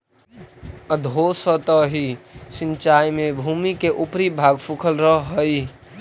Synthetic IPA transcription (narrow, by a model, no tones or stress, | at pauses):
əd̪ʱosət̪əɦisint͡ʃajmẽbʱuːmikeʔupɾibʱaːɡpʰukʰəlɾəɦəj